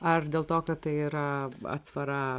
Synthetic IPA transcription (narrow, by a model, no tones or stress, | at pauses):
ɐrdʲeːlˠt̪oːkɐt̪t̪ɐɪiːɾɐɐ̰t̪sʋɐɾɑː